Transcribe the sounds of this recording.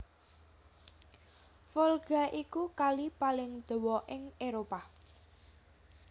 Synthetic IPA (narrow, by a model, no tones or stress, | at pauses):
fɔlɡ̥aʔikukalipalɪŋd̪̥o̤wɔʔɪŋeɾopa